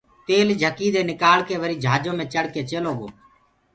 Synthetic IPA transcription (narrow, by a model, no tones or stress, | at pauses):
t̪eːld͡ʒʱəkiːd̪eːnɪkaːɭkeːʋəɾiːd͡ʒʱaːd͡ʒõːmẽːt͡ʃəɽkeːt͡ʃeːloːɡo̰ː